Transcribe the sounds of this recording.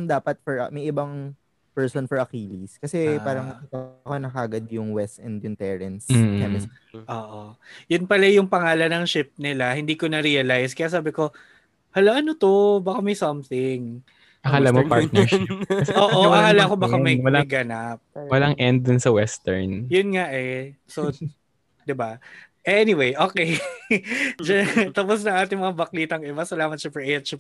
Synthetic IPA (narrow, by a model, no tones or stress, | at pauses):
nd̪aːpɐt̪̚fɔɹɐ̰mɐjʔɪbɐŋ | pɛɹsonfɔɹʔɐkiːliskɐsɛpaːɾɐŋmɐkiːt̪ɐkonɐkaːɡɐd̪̚jʊŋwɛst̪ʔɛnd̪jʊŋt̪ɛɹɛnskɛmɪs | ʔoːʔojʊnpɐlajʊŋpɐŋaːlɐnɐŋʃɪp̚nɪlahɪnd̪iːko̞nɐɾiːɐlajskɐjaːs̬aːbɪko̞ | hɐlaʔɐnot̪obakamɐjsɐmθɪŋ | ɐhaːlamopaɹt̪nɛɹʃɪsoːʔoʔɐhaːlɐkobakamɐjwɐlajɡɐnap̚wɐlaŋʔɛnd̪̚ːʊnsɐwɛst̪ɛ̰ɹnjʊnŋaʔɛso | d̪ɪba | ʔɛnɪwejʔoːkej | d͡ʒɐnt̪ɐpos̬nɐŋʔaːt̪ɪŋmɐŋabɐkliːt̪ɐŋʔɛmɐsɐlaːmɐt̪̚ʃɐpɛʔɛt̪t͡ʃ